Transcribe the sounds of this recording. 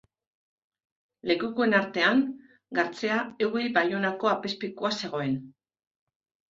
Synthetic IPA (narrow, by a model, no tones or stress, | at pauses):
le̞kukoe̞naɾt̪e̞aŋ | ɡaɾt͡se̞aewɣejbajo̞nako̞ape̞spikoase̞ɣ̞o̞e̞n